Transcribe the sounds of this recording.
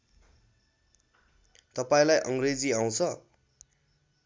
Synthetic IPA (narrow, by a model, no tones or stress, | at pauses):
t̪ʌpaĩlajʔʌŋred͡ziaw̃t͡sʰʌ